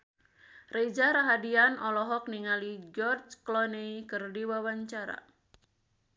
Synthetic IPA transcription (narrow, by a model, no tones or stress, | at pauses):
red͡ʒaɾaɦadianʔɔlɔɦɔk̚niŋalid͡ʒɔrd͡ʒklɔneikɨrdiwawaɲt͡ʃaɾa̰